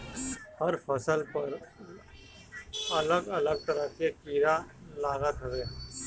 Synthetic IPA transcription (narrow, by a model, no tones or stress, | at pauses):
hɐɾfʰəsəlpəɾ | ɐləɡɐləɡ̚t̪əɾəkekiːɾalaːɡət̪ɦəʋeː